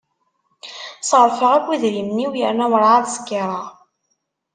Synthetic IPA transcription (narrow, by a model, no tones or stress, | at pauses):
səʁəɾfəʁækʷːiðɾimniwjəɾnæwɾˤaʕaðsə̥kːiɾˤɑ